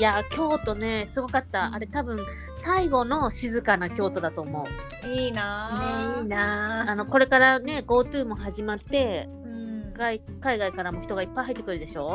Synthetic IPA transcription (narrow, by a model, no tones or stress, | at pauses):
jakʲo̞ːt̪o̞ne̞sɨɡo̞kat̪ːaa̰ɾe̞t̪abɯ̟̃ɰ̃ | saiɡo̞no̞ɕizɨkanakʲo̞ːt̪o̞d̪at̪o̞ːmo̞ɯ̟ | iːnaiːnaano̞ko̞ɾe̞kaɾane̞ɡo̞ːt̪ɯ̟ːmo̞ɦaʑimat̪ːe̞ | ɡai | kaiɡaikaɾamo̞çi̥t̪o̞ɡaipːaiɦait̪ːekɯ̟ɾɯ̟d̪e̞ɕo̞ː